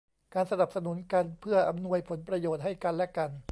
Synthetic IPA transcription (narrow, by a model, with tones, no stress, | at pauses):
kaː˧nsa˧na˨˩p̚sa˧nu˩˦nka˧npʰɯ˥˩ɐʔa˧mnu˧əjpʰo˩˦npɾa˧joː˨˩t̪̚ha˥˩jka˧nlɛ˦˥ka˧n